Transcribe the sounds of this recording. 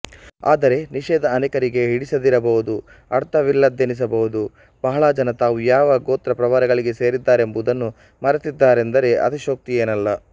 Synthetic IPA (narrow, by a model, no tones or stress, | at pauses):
a̰ːd̪ɐɾe̞niʃɛːd̪ɐːnɛkɐɾiɡe̞ɦiɽisɐd̪iɾɐbɐʋud̪u | ɐɽt̪ɐʋilːɐd̪enis̬ɐbɐɦud̪u | b̥ɐɦɐɭad͡ʒɐnɐt̪aːʋujaːʋɐɡoːt̪ɾɐpɾɐʋaːɾɐɡɐɭiɡe̞se̞ːɾid̪ːaːɾe̞mbud̪ɐnːu | mɐɾɐt̪id̪ːaːɾe̞nd̪ɐɾe̞ʔɐ̰t̪iʃoːk̚t̪ije̞ːnɐlːɐ